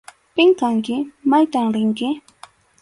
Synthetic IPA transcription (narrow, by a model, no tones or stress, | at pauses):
pɪŋkaŋkɪmajt̪amɾɪŋkɪ